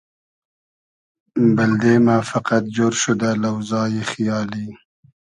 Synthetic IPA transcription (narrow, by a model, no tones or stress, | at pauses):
bald̪emafaqat̪̚d͡ʒoɾʃʊd̪alawzɑːjexjɑli